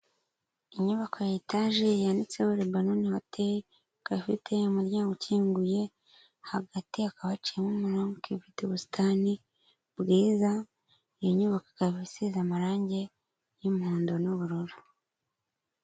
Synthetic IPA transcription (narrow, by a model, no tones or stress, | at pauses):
iɲuβakʰojitaʒejandit͡seoɾebanonihotʰe | kafitʰe̞umuɾɟaːŋɡocʰiːŋɡuje̞ | haɡatiakaβat͡ʃiemumuɾoŋkivituβusi̥tʰani | bɡiːza | jiɲuβakḁkaβisizamaɾaːɲɟe̞ | jumhuːndonuβuɾuɾu